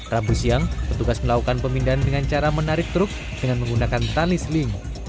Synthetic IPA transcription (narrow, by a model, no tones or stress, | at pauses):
rabusiaŋpət̪uɡasməlakukanpəmindaɦandəŋant͡ʃaɾamənaɾɪk̚t̪ɾʊk̚ | d̥əŋanməŋɡunakant̪alislimo